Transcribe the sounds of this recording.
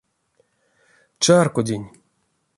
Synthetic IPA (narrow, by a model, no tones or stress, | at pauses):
t͡ʃarkod̪ʲinʲ